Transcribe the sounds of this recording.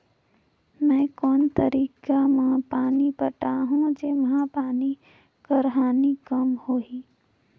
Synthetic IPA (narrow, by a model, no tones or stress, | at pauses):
mɛ̃ːkɔːnt̪əɾiːkamãpaːnipəʈaɦũd͡ʒeːmɐɦãpaːni | kəɾɦaːnikəmhoːiː